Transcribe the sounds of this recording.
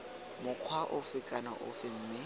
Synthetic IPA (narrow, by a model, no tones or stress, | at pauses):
mʊq͡χʰwaʔʊfɪkʼanaʔʊ̰fɪm̩ːmɪ